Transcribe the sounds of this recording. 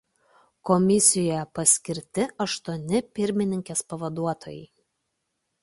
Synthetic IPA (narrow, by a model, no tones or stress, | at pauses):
kɔmʲɪsʲɪjɔjɛpɐsʲkʲɪɾʲt̪ʲɪʔɐʃt̪uɔnʲɪpʲɪɾʲmʲɪnʲɪŋʲkʲeːspɐʋɐd̪uɔt̪ɔjɛɪ